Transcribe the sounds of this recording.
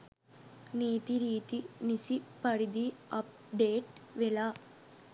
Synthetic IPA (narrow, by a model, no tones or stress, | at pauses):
niːt̪iɾiːt̪inisipɐɾid̪iɐp̚ɖeːʈʋela